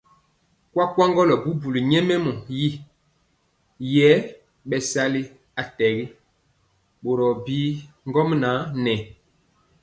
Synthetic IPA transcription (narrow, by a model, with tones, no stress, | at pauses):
kwa˦kwa˦ŋɡɔ˦lɔ˨bu˦bu˨li˨ɲɛ˦mɛ˦mɔ˨ji˦ | jɛ˨˦ | ɓɛ˨sa˦li˦ | a˨tɛ˨ɡi˦ | ɓo˨ɾɔ˨biː˦ŋ˦ɡɔ˦mna˨˦nɛ˨